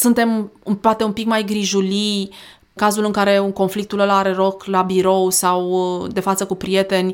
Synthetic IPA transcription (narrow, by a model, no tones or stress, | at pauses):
sunt̪e̞mupoat̪eumpikmajɡɾiʒuli | kazulɨŋkaɾe̞uŋko̞nflik̚t̪uləlaɾe̞ɾo̞klabiɾo̞wsawd̪e̞fat̪səkupɾije̞t̪e̞nʲ